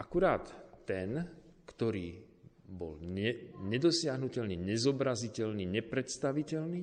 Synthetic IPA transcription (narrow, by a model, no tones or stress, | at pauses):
ʔakuɾaːt̪ːɛnkt̪ɔɾiː | bɔ̰lɛɲɛd̪ɔsɪaɦnucɛlniɲɛzɔbɾazicɛlniːɲɛpɾɛt̪st̪aʋicɛlniː